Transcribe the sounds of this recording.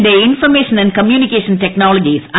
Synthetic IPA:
ɖeinfɐrmeːʂɐnɐ̃nɖ̚kɐmjuːnikʲːeːʂɐnteknaːlɐd͡ʑisɐ̃

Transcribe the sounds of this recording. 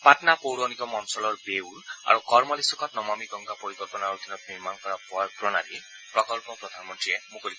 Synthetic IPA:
paʈnapowɽɔnikɔmɔnsɔlɔɾbeula̰ɾukɔɾmɔlesɔkɔt̪nɔmamiɡɔŋɡapoɾikɔlpɔnaɾud̪ʰʱinɔniɾmanɔkɔɾappɾɔnaɾi | pɾɔkɔlpɔpɾɔd̪ʱanɔmɔnʈɾiemukɔli

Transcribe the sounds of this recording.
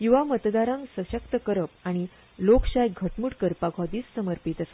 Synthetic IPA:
kĩʋamət̪d̪aɾãŋksəɕəkt̪əkəɾəpaɽ̃i | lokɕajɡʱəʈmuʈkəɾpaɡʱɔd̪iːt͡ssəməɾpit̪əsḁ

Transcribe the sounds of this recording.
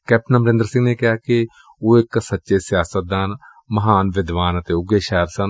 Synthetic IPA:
kɛːp̚ʈnəmɾẽːnd̪əɾsɪ̃ŋɡneːkɪjaːkɪ | oːɪksətːʃeːsɪjaːsət̪̚d̪aːn | məɦaːnʋɪd̪ʋaːnət̪eːʊɡeːʃɛːəɾsən

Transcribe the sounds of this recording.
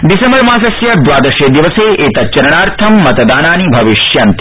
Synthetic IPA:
ɖisẽmbəɾmãːsɐsjɐd̪ʋaːd̪ɐɾʃed̪iʋəseʔeːt̪ɐtːt͡ʃɐɾɐɳ̃aːɾt̪ʰɐmːɐt̪d̪aːnaːnibʱɐʋɪʃjɐnt̪

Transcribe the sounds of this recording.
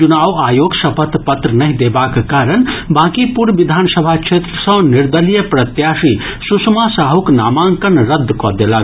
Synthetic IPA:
unaːwaːjoːɡsɐpʰət̪pət̪ɾənɐɦĩd̪ebaːkkaːɾənbãːkipuɾʋid̪ʱaːnsəbʱakʃʰeːt̪ɾəsə̃niɾd̪əlijəpɾɐt̪jaːʃi | susmasaːɦukna̰ːmãŋkənɾəd̪ʱːkɔd̪ela

